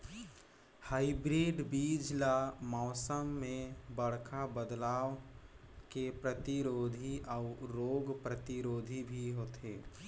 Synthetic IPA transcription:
haːibɾeːɖbiːd͡ʒlamɔːsəmːẽbəɽ̤kʰabəd̪laːʋ | kepɾət̪iɾoːd̪ʱiʔɔʊɾoːɡpɾət̪iɾoːd̪ʱibʱiɦoːt̪eː

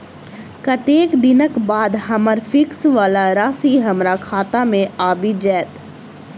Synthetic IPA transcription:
kɐʈeːkd̪ɪnəkbaːd̪ɦɐməɾfɪksʋaːlaɾaːsiɦɐmɾakʰaːt̪amẽaːbid͡ʒɛːt̪

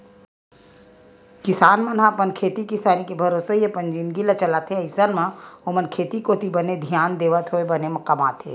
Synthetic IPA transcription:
kɪsaːnmɐnɦapənkʰeːt̪ikɪsaːnikebʱɐɾoːsəɦijepənd͡ʒinɡilat͡ʃɐlaːt̪ʰeɐɪsəɾmãomənkʰeːt̪ikot̪ibəned̪ʱjaːnd̪eːʋət̪ʰɦoebɐnemɐkamaːt̪ʰḛː

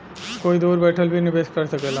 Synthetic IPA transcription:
koːid̪uːɾbɛːʈʰəlbʱinɪbeːskɐɾsəkeːla

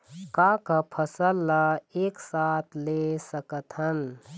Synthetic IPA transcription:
kakapʰəsəlːaeːksaːt̪ʰlesəkət̪ɦən

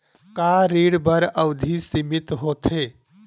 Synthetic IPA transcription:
kaːɾiːɽbəɾəwd̪ʱisimɪt̪ɦoːt̪ʰeː

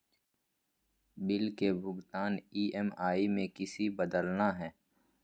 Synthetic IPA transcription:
bɪlkebʱʊɡt̪aːniːʔɛmaːimẽkɪsibəd̪əlnaɦɛː

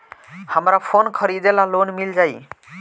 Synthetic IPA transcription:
həmɾapʰonkʰɔɾidɛlalonmild͡ʒaj

